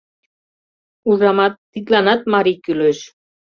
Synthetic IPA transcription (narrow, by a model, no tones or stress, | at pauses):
uʐɑmɑt̪ːit̪lɑnɑt̪̚mɑɾikyløʃ